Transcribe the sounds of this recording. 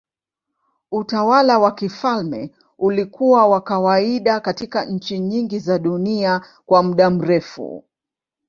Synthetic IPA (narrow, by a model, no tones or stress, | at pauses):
utawalawakifalmɛ̰ | ulikuwawakawaiɗakatikaɲ̩t͡ʃiɲiŋɡizaɗunia | kwam̩ɗam̩ɾɛfṵ